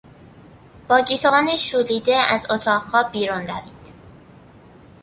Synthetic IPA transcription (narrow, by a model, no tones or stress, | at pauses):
b̥ɒːɟiːt̪oɒːneʃuːliːd̪eæzot̪ʰɒːʁhɒːbiːɾund̪æviːd̪̥